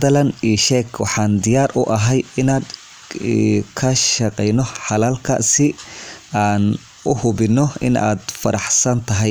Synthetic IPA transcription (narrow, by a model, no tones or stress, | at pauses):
d̪ɐlɐniːʃɛːkʰwɑ̰ħɑːnd̪ɪjaːrʔʊʔɐɦɛjɪnaːd̪ | kʰɐʃɐqɛjnɔħɑlaːlkʰɐ̰sɪaːn | ʊhʊbɪnːɔɪna̰ːd̪fɐɾɑħsɐnt̪ʰɐɦɛj